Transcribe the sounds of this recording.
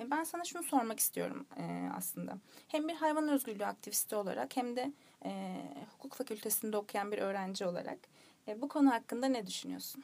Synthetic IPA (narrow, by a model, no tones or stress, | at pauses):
ɛbænsanaʃunuso̞ɾmaki̥st̪ʰijo̞̰ɾṵmɛa̰slˠɯnd̪a̰hæmbiɾɦajvanøzɟylʲːya̰k̚t̪ʰivist̪ʰio̞lˠa̰ɾa̰khæmd̪ɛ | hu̥kʰuːkfacʰylʲt̪ʰe̞sind̪ɛokʰujanbiɾʔø̞ːɾænd͡ʒio̞lˠa̰ɾa̰kː | bukʰo̞nuɦakːɯnd̪anɛd̪yʃynyjo̞̰su̥n